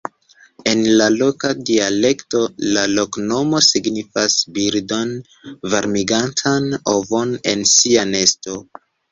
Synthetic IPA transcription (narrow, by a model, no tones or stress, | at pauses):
e̞nlalo̞kadiale̞kto̞lalo̞kno̞mo̞siɡnifasbiɾdo̞n | vaɾmiɡantʰanovone̞̰nsiane̞sto̞